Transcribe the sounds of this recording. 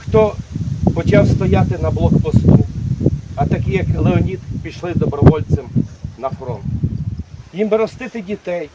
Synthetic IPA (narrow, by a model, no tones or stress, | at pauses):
xt̪ɔpɔt͡ʃawst̪ɔjat̪ɪnɐblˠɔkpɔst̪u | ɐt̪ɐkʲijɐklˠeɔnʲit̪pʲiʃlˠɪd̪ɔbɾɔʋɔlʲt͡s̪ɪmnɐfɾɔnt̪ | jimbɪɾɔst̪ɪt̪ɪdʲit̪ɛj